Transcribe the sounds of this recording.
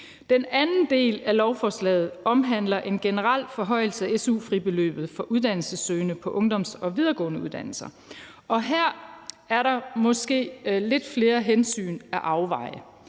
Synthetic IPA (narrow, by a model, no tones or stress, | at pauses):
d̥enænn̩d̥e̝̰ːlælɒʊfɒːslɛ̰ːð̞̩ˠɒ̽mɦæn̰lɐʔe̝nɡ̥enəʁɑl̰fɒ̽ɦɒ̽ɪ̰l̩səæesṵːfʁib̥e̝lø̰ːb̥ð̩ˠfɒ̽ʔuðˠd̥æn̰l̩səsøːnəpʰɒ̽ʔɔ̽ŋd̥ɒ̽m̰sɒ̽ʋið̞ˠɐɡ̥ɔ̰ːnəuðˠd̥æn̰l̩sɐ | ʔɒ̽ɦæɐ̰ | æɐɾɑ̈mɒ̽sɡ̥e̝̰ːle̝d̥fle̝ːɐɦensy̰ːnæʔɑ̈ʊʋɑ̈ɪ̰ə